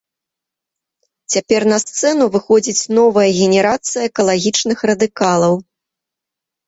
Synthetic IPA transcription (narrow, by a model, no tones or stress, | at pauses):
t͡sʲapʲɛrnɐst̪sɛnuvɨxɔd͡zʲit͡sʲnɔvɐjɐɣʲɛnʲɛɾat̪sɨjɐːkɐlˠaɣʲit͡ʂnɨxrɐd̪ɨkalˠɐw